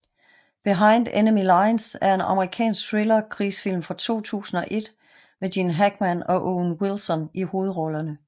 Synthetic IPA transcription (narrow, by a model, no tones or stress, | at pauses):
b̥eɦɑ̈ɪ̰nd̥enəmilɑ̈ɪnsæɐe̝nɑ̈məʁikʰɛ̰ːnsɡ̥̚fʰʁelɐkʰʁisfil̰mfɒt͡sʰo̝̰ːt͡sʰṵːsn̩ɒ̽ʔe̝d̥ | medinɦæɡ̥mænɒ̽ʔonwilsɒniho̝ːð̞̩ˠʁɒ̽lɐnə